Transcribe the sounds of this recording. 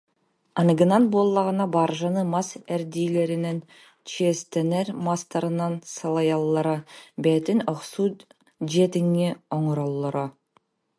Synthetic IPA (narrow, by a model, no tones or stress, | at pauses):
ɑnɡɯnɑnbolˠːɑʁənɑbɑɾʒɑnɯmɑsæɾd̪ijleɾɪnen | t͡ʃʰiest̪eneɾmɑst̪ɑɾɯnɑnsɑlˠɑjɑlˠːɑɾɑbet̪ɪnoχsu | d͡ʒet̪ɪŋːeoɴɾolˠːoɾɑ